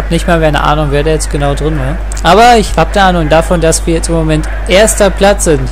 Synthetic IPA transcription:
nɪçtmaːlvmeaɪnə̰ʔa̰ːnʊŋveːɐdaːjɛt͡stɡ̥ənaʊdʁɪnvaːɐ | ʔaːbɐɪçhaːbdɛʔaːnʊŋdafɔndasv̥iːɐjɛt͡stɪmːomɛnt | ʔeːɐstɐpʰl̥at͡sz̥ɪnt

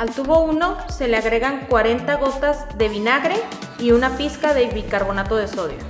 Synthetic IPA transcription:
alt̪uβo̞uno̞se̞leaɣɾe̞ɣaŋkwaɾe̞nt̪aɣo̞t̪az | ðe̞β̞inaɣɾe̞ | iunapiskaðe̞βikaɾβo̞nat̪o̞ðe̞so̞ðjo̰

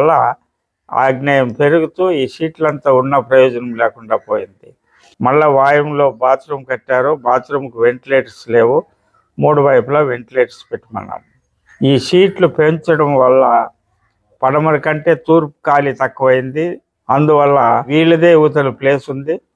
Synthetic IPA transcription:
lːɐ | a̰ːɡnʲaːjɐmpe̞ɾuɡut̪uːiːʂiːʈlɐnt̪aːunːɐpɾɐjɔːd͡ʒɐnɐmlɛːkuɳɖaːpoːjind̪ḭ | mɐlːɐʋaːjɐmlo̞ːbaːt̪ɾɐmkɐʈːaːɾobaːt̪ɾɐmkuʋe̞ɳʈileːʈsle̞ːʋu | muːɽuʋɐjpulɐʋe̞ɳʈileːʈspeʈːimɐ̰nːɐ̰m | iːʂiːʈlupe̞ɲt͡ʃɐɽɐmʋɐlːɐ | pɐɽɐmɐɾɐkɐɳʈe̞ːt̪uːɾpu̥kaːlit̪ɐkːɐʋɐjind̪i | ɐnd̪uʋɐlːɐʋiːɭːɐd̪eːuːt̪ɐluple̞ːsund̪i

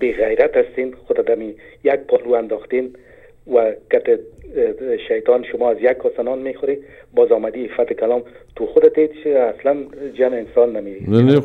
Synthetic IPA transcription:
beɣajɾat̪ast̪enxʊd̪ad̪amijaɡ̚pɔluand̪ɔxt̪en | wakat̪ɪ | ʃajt̪ɔnʃʊmɔazjakʰːɔsanɔnmexʊɾenbɔzɔmad̪iɪfat̪ɪkalɔmt̪uxʊd̪at̪et͡ʃasland͡ʒamɪɪnsɔnːamed̪i

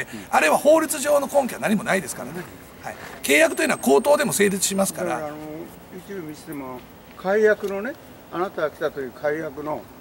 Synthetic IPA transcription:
eaɾe̞βaho̞ːɾʲit͡sɨʑo̞ːno̞kõ̞ŋk̬ʲiβa̰naɲ̟imo̞naid̪e̞sɨ̥ka̰ɾane | haḭke̞ːjakɯ̟t̪oiɯːnaako̞ːt̪o̞ːd̪e̞mo̞se̞ːɾʲit͡sɨ̥ɕimasɨ̥kaɾa̰ano | jɯːt͡ɕimʲisi̥t̪emoa | kʰaijakɯ̟no̞ne | anat̪aɡakʲi̥t̪at̪o̞jɯ̟ːkʰaijakɯ̟no̞

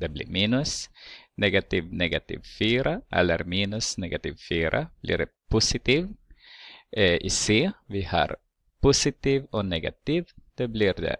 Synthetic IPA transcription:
d̪ɛblḭminʊsnɛɡat̪ivnɛɡat̪ḭvfiːɾʔaʔɛ̰lːə̰ɾminʊsnɛɡat̪iːvfiːɾʔa̰b̥lḭɾɖɛpusɪt̪iːv | ʔɛʔiseːviha̰ɾ | pusɪt̪iːvɔnɛɡa̰t̪iːvd̪̥ɛbliɾd̪ɛ̰

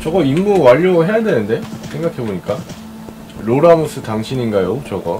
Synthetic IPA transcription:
t͡ɕʌɡʌimːuwaʎːoɦe̞jadwenɯnde̞sʰe̞ŋɡakʰe̞boɲik͈a | ɾoɾamus͈ʰɯtaŋɕʰiɲinɡajot͡ɕʌɡʌ

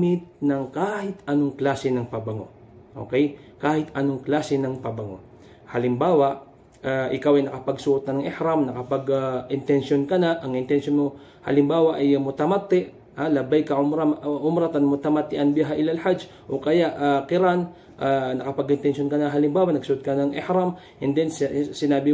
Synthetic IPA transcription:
mɪt̪̚nɐŋkaːhɪt̪ʔɐnoŋklaːsɛnɐŋpɐbɐŋo̞̰ | ʔo̰ːkɛjkaːhɪt̪ʔɐno̞ŋklaːsɛnɐŋpɐbɐŋo̞̰ | hɐlɪmbaːwɐʔ | aʔɪkawɐjnɐkɐpɐɡsʊʔot̪ɐnɐŋʔɪhɾamnɐkɐpɐɡʔɪnt̪ɛnʃonkɐnaʔɐŋʔɪnt̪ɛnsjonmo | hɐ̰lɪmbaːwɐʔɐjmʊt̪ɐmat̪ːɛʔ | ʔalɐbajkɐʔʊmɾaʔʊmɾat̪ɐnmʊt̪ɐmɐt̪ːɪʔanbɪɦaʔɪlɐlhad͡ʒ | ʔokɐjaʔakɪɾan | ʔanɐkɐpɐɡɪnt̪ɛnʃonkɐnaɦɐlɪmbaːwɐnɐɡsʊʔʊt̪̚kɐnɐŋɪhɾam | ʔɛnd̪ɛnsɪnaːbɪ

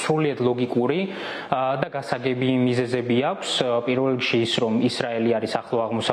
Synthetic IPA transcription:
sɾuliat̪ʰlˠɔɡikʼuɾi | d̪aɡasaɡɛbimizɛzɛbiakʷʰspʼiɾvɛlikʃiːsɾɔmisɾaɛliaɾisaχlˠɔaʁmɔsa

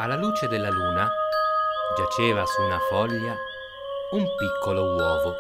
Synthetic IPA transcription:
alːaluːt͡ʃed̪elːaluːna | d͡ʒat͡ʃɛːvasunafɔlːa | umpikʰːolowɔːvo

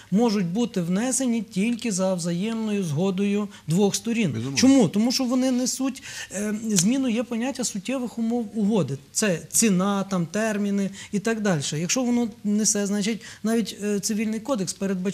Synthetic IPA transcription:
mɔʒʊt̚ʲbut̪ɪwnɛsenʲitʲilʲkɪzɐwzɐjɛmnɔjʊzɦɔd̪ɔjʊ | d̪ʋɔxst̪ɔɾʲint͡ʃɔmut̪ɔmuʃt͡ʃɔʋɔnɪnɛsutʲ | zʲmʲinʊjɛpɔnʲatʲːɐsʊtʲːɛʋɪxʊmɔwʊɦɔd̪ɪt̪sɛt͡sʲinɑt̪ɑmt̪ɛrmʲinɪit̪ɑɡd̪ɑlʲʃɛjɐkʃt͡ʃɔʋɔnɔnɛsɛznɑt͡ʃɪt̚ʲnɑʋʲitʲt̪sɪʋʲilʲnɪjkɔd̪ekspeɾed̪̚bɐ

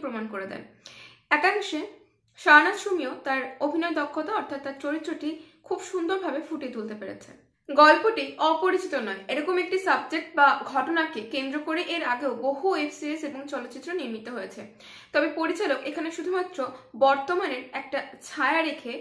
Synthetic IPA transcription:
pɾomankoɾed̪ɛ̰nɛkaŋʃe | ʃanaʃumiot̪aɾobʱinɔed̪ɔkʰːot̪aɔɾt̪ʰat̪ːaɾt͡ɕoɾit̪ːɾoʈikʰubʃund̪oɾbʱabefuʈet̪ult̪epeɾḛt͡ɕʰḛ | ɡɔlpoʈiɔpoɾit͡ɕit̪onɔeeɾɔkomek̚ʈisabd͡ʑek̚ʈ̚baɡʱɔʈonakekend̪ɾokoɾeʔeɾaɡeoboɦuefsieseboŋt͡ɕɔlot̪ːɕit̪ːɾoniɾmit̪ːoɦojet͡ɕʰe | t̪ɔbepoɾit͡ɕalokekʰaneʃud̪ʱumat̪ːɾobɔɾt̪omaneɾɛk̚ʈat͡ɕʰaeaɾekʰe

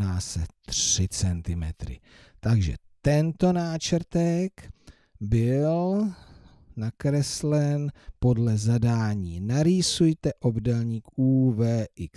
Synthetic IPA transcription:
aːsɛt̪r̥ɪt͡sɛnt̪ɪmɛt̪ɾɪ̰ | t̪aɡʒɛ̰t̪ɛnt̪o̞naːt͡ʃɾt̪ɛk | bɪl | nakɾɛslɛnpo̞dlɛzadaːɲiːnaɾiːsujt̪ɛʔo̞bdɛlɲiːkuːvɛːʔɪk

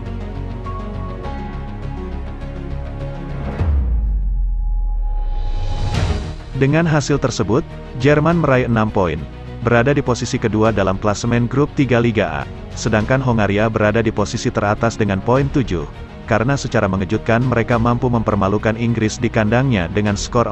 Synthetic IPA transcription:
dəŋanɦasɪlt̪ərsəbʊt̪̚ | d͡ʒɛrmanməɾaiənampoḭn | bəɾadadiposisikəduadalamklasmɛnɡɾup̚t̪iɡaliɡaʔa̰ | sədaŋkanɦoŋaɾiabəɾadadiposisit̪əɾat̪asdəŋanpoint̪ud͡ʒʊh | kaɾənasət͡ʃaɾaməŋəd͡ʒut̪̚kanməɾekamampuməmpərmalukaniŋɡɾɪsdikandaŋɲadəŋansə̥kɔr

